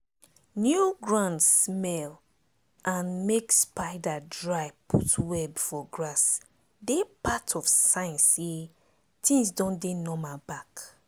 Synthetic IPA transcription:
njuɡɹãndsmɛl | ʔãnmekspaɪdadɹaɪpʰutwɛbifɔɡɹas | depatʰɔfsãɪ̃nse | tĩŋsdɔ̃ndenɔmabak

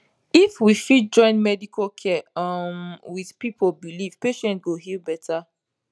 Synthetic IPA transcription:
ifwifid͡ʒɔ̃ɪ̃nmɛdikʰokʰɛʌmwið̥pipʰolbiliv̥peʃɛ̃nt̚ɡoɦilbɛtʰa

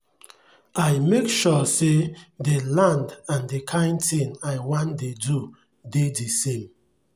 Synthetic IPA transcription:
ajmekʃɔsedelãndãndekʰãɪ̃ntĩŋaɪwãndedu | dedisẽm

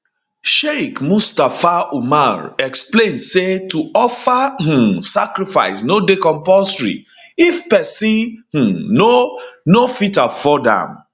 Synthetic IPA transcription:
ʃekmustafaumaɹɛksplẽnsetuɔfah̩sakɾifa̰ɪsnodekɔ̃mpɔstɹḭifpɛsĩh̩nonofitafɔdã̰m

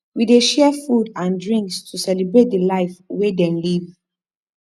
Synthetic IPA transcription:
wideʃɛfudãndɹĩŋkstʰusɛlibɹet̚dəlaɪfwedɛ̃nliv

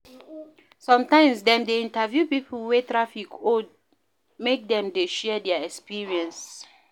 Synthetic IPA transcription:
sɔ̃mtãɪ̃msdɛ̃mdeĩntavjupipʰl̩wetɹafikod̚ | mek̚dɛ̃mdeʃɛdɛaɛkspiɹiɛ̃ns

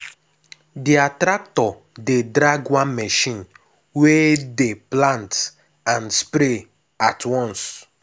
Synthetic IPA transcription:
diatɾak̚tɔ | dedɾaɡwãnmɛʃĩn | wedeplãnt | ãnspɾe | atwɔ̃ns

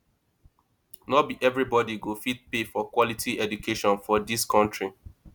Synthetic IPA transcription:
nɔbiʔɛvɹibɔdiɡofit̚pefɔkwɔlitʰiɛdukʰeʃɔ̃nfɔdiskʰɔ̃ntɹi

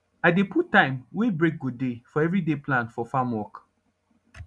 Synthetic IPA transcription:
aɪdeputːãɪ̃mwebɹek̚ɡudefɔɛvɹidepʰlãnfɔfamwɔk

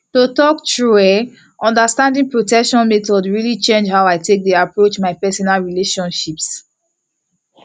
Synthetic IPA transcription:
totɔktɹuɛ | ʔɔ̃ndəstãndĩŋpɹotɛkʃɔ̃nmɛtɔdɹilit͡ʃẽnd͡ʒhawaɪtʰek̚diapɹot͡ʃmaɪpɛsɔnalɹileʃɔ̃nʃips

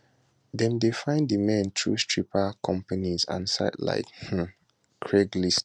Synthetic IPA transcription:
dɛ̃mdefãɪ̃ndimɛ̃ntʰɹṵstɹipakʰɔ̃mpanizã̰nsa̰ɪdla̰ɪkh̩ | kʰɹɛɡlist

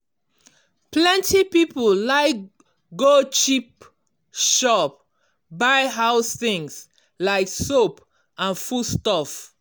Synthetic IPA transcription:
plɛ̃ntipipɔllaɪk | ɡot͡ʃip | ʃɔp̚ | baɪɦaʊsθĩŋs | laɪksop | ãnfustɔf

